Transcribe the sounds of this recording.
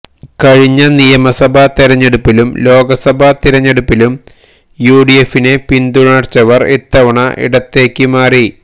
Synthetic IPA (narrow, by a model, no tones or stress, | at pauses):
kɐɻiɲːɐnijɐmɐsɐbʱat̪iɾɐɲːe̞ɽupːilumlo̞ːɡɐsɐbʱat̪iɾɐɲːe̞ɽupːilum | juːɽijefinepind̪uɳaːrt͡ɕːɐʋɐret̪ːɐʋɐɳɐʔḭɽɐt̪ːe̞ːkʲːɨmaːri